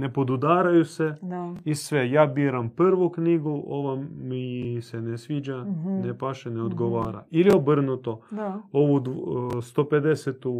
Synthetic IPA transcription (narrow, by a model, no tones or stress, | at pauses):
nepod̪ud̪aːɾajusɛisʋɛjaːbiːɾampɾʋukniɡuo̰ʋamisɛnɛsʋiːd͡ʒanepaːʃɛneod̪ɡoʋaːɾa̰iliobɾnut̪ooʋud̪st̪oped̪eset̪u